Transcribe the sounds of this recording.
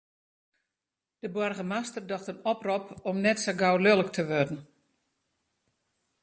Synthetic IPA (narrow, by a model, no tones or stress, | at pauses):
d̥əbɔrɣəmastərdɔxtənɔprɔpɔmnɛtsoɡawlølˠəktʰəʋødn̩